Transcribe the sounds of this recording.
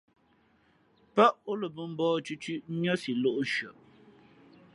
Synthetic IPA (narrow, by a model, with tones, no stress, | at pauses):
pə˦ʔo˦lə˨bə˨m̩˦bɔː˦t͡ʃʉ˦t͡ʃʉ˦ʔɲə˦si˨lo˦ʔʃɥə˨ʔ